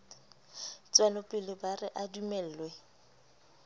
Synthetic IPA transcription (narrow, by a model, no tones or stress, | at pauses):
t͡sʼwanʊpʼɪlɪbarɪʔadumɛl̩ːlwɛ